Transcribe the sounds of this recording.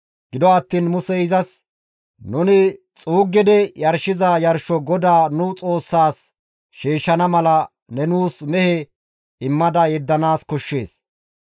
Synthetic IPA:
ɡ̥ɪd̪ɔɐt̪ːiːnmʊsɛɪzɐs | nʊnɪ | t͡sʼuːɡːɛd̪ɛjɐɾʃɪzɐjɐɾʃɔɡɔd̪aːnʊt͡sʼo̞ːsːaːs | ʃiːʃːɐnɐmɐlɐ | nɛnuːsmɛhɛ | ɪmːɐd̪ɐjɛd̪ːɐnaːskɔʃːe̞ːs

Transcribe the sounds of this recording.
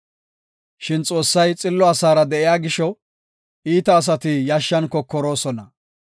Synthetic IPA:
ʃɪnt͡sʼo̞ːsːɐjt͡sʼɪlːɔɐsaːɾɐd̪ɛʔɪjaːɡɪʃɔ | iːt̪ɐːs̬ɐt̪ɪjaʃːɐnkːɔkːɔɾo̞ːsɔnɐ

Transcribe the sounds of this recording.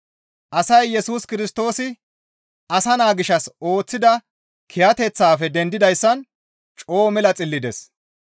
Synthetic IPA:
ʔɐsɐjːɛsuːskɪɾɪst̪o̞ːsɪ | ʔɐsɐnaːɡɪʃɐso̞ːt͡sːɪd̪ɐ | kʰɪjɐt̪ɛt͡sːaːfɛd̪ɛnd̪ɪd̪ɐjsːɐn | t͡ʃʼo̞ːmɛlɐt͡sʼɪlːɪd̪ɛs

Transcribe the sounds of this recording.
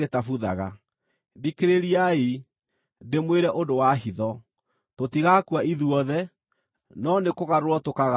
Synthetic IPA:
etafuðaɣa | dikeɾeɾiai | demweɾɛʔondowaɦiðɔ | totiɣakwaiðuɔðɛ | nɔnekoɣaɾɾwɔtokaɣa

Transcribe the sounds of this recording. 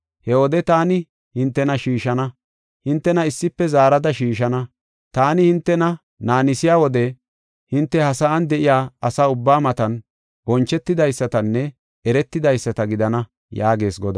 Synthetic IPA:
hɛwɔd̪ɛt̪aːnɪ | hɪnt̪ːɛnɐʃiːʃɐnɐ | hɪnt̪ːɛnɐɪsːɪpːɛzaːɾɐd̪ɐʃiːʃɐnɐ | t̪aːnɪhɪnt̪ːɛnɐ | naːnɪsɪjaːwɔd̪ɛ | hɪnt̪ːɛhɐsaːnd̪ɛʔɪjaːɐsaːʊbːaːmɐt̪ɐn | bɔnt͡ʃːɛt̪ːɪd̪ɐjsːɐt̪ɐnːɛ | ɛɾɛt̪ːɪd̪ɐjsːɐt̪ɐɡɪd̪ɐnɐ | jaːɡe̞ːsɡɔd̪ɐ

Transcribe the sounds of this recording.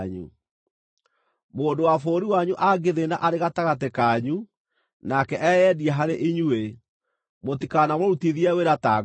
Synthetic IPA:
ɲṵ | moːndowafoːɾiwaɲuʔaɡeðenaʔaɾeɣataɣatekaɲu | nakɛʔɛjɛdiɛɦaɾeʔiɲue | motikanamoɾutiðiɛweɾata

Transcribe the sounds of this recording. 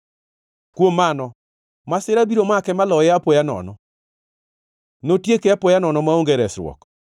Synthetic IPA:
kwomanɔ | masɪɾabiɾomakɛmalɔɛapojanɔ̰nɔ̰ | notjekeapojanɔnɔmaoŋɡɛɾɛsɾwɔ̰k

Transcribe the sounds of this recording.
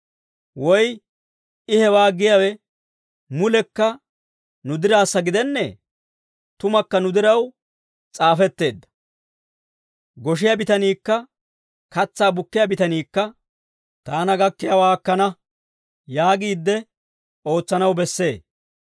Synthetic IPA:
wɔj | ɪhɛwaːɡɪjawɛ | mʊlɛkːɐ | nʊd̪ɪɾaːsːɐɡɪd̪ɛnːɛ | t̪ʊmɐkːɐnʊd̪ɪɾɐw | t͡sʼaːfɛt̪ːe̞ːd̪ːɐ̥ | ɡɔʃ̬ɪjabɪt̪ɐniːkːɐ | kɐt͡sːaːbʊkːɪjabɪt̪ɐniːkːɐ | t̪aːnɐɡɐkːɪjawaːkːɐnɐ | jaːɡiːd̪ːɛ | o̞ːt͡sːɐnɐwbɛsːe̞ː

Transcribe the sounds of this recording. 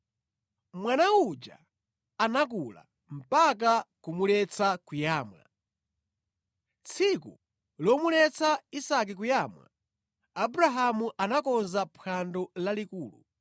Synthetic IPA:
mwanaud͡ʒa̰ | anak̬ula̰ | m̩pak̬akumulɛt͡sʰakujaːmwa̰ | t͡sʰikṵ | lɔmulɛt͡sʰaisak̬ik̬ujamwa̰ | abuɾaɦamuʔanakɔnzapʰandɔlalikuːlṵ

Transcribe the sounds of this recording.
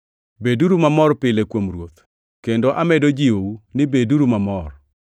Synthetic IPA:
beduɾumamɔrpɪlekwomrwot̪ | kendoʔamɛdod͡ʒiounɪbeduɾumamɔr

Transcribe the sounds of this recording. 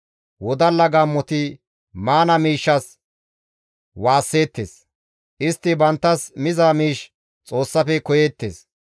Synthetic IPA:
wɔd̪ɐlːɐɡamːɔt̪ɪ | maːnɐmiːʃːɐs | waːsːe̞ːt̪ːḛːs | ʔɪst̪ːɪbɐnt̪ːɐsmɪzaːmiːʃ | t͡sʼo̞ːsːɐfɛkɔjeːt̪ːeːs

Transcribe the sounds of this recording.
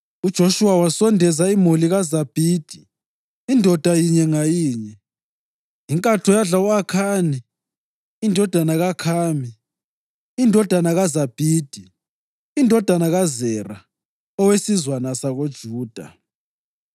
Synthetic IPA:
ud̥ʒ̥ʱoʃuwawasɔndʱɛzaimuliɣazab̥ʱiːd̥ʱi | indʱɔd̥ʱajiɲɛŋajiːɲɛ | iŋkʼatʰɔjaɮauakʰaːni | indʱɔd̥ʱanaɣakʰaːmiː | ndʱɔd̥ʱanaɣazab̥ʱiːd̥ʱi | indʱɔd̥ʱanaɣazɛra | ɔwesizwanasaɣod̥ʒ̥ʱuːd̥ʱa̰

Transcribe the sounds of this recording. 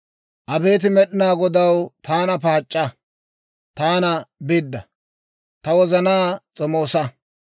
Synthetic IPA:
ʔɐbe̞ːt̪̬ɪmɛɗɪnaːɡɔd̪ɐwt̪aːnɐpaːt͡ʃʼːɐ | t̪aːnɐbɪd̪ːɐ̰ | t̪ɐwɔzɐnaːt͡sʼɔmoːsɐ

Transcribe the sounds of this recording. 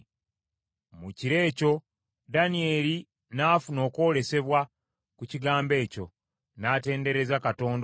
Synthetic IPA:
muciɾe̞ːco̞ | danie̞ːli | naːfuno̞ːko̞ːle̞se̞βwa | kuciɡaːmbe̞ːco̞ | naːte̞ːnde̞ɾe̞zakato̞ːnd

